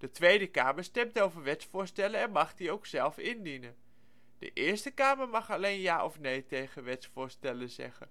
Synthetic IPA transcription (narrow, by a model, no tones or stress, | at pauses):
d̥ətʋejdəka̰ːməɹstɛmtowvəɹʋɛtsfʊːɹstɛləɛnmɑχdiowksɛlˠfɪndinən | d̥ə̰ʔɪːɹstəkaːməɹmɑχɑlejnjaːʔɔfnejtejχənʋɛtsfʊːɹstɛləzɛ̰χə̰n